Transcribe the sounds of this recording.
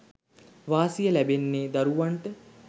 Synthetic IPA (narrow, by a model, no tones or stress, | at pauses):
ʋaːsijəlæbenːeːd̪aɾuʋaɳʈə